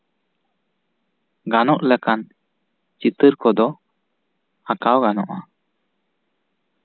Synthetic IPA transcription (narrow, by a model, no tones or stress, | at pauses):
ɡanɔʔləkan | t͡ʃit̪əɾkɔd̪ɔ | akawɡanɔ̰ʔa